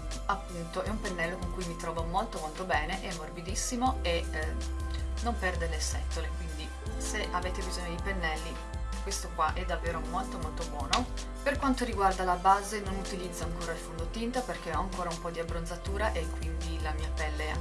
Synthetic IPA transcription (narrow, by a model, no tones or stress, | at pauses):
apːunt̪oʔɛumpenːɛlːokoŋkujmit̪ɾɔːvomolt̪omolt̪obɛːneʔɛmːorbid̪isːimoe | nompɛrd̪elesɛ̰t̪ːolekwind̪i | seʔaveːt̪ebizoɲːod̪ipenːɛlːi | kːwest̪okwaʔɛd̪ːavːeːɾomolt̪omolt̪obwɔːno | perkwant̪oɾiɡward̪alabaːzenonut̪ilid̪zːoaŋkoːɾailfund̪ot̪int̪aperk̟eɔaŋkoːɾaumpɔd̪iabːɾond̪zat̪uːɾaʔekːwind̪ilamiːapɛlːe